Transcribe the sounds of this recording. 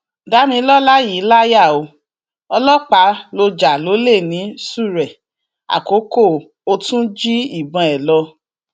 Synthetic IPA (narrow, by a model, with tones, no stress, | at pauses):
da˨˦mĩ˧˦lɔ˦la˦ji˨˦la˦ja˦˨o˧ | ɔ˧lɔ˦k͡pa˨˦lo˧d͡ʒa˨lo˨˦le˦˨nĩ˨˦su˦˨ɾɛ˨ | a̰˨ko˨˦ko˦˨ | o˧tũ˦d͡ʒi˦i˦˨bɔ̃˧ɛ˨lɔ˧